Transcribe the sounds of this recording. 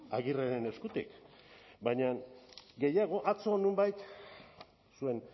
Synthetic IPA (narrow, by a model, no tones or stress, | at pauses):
aɣiraɾene̞skut̪ḭkbaɲaŋɡe̞jaɣ̞o̞ʔat͡so̞numbajt̪ | sue̞n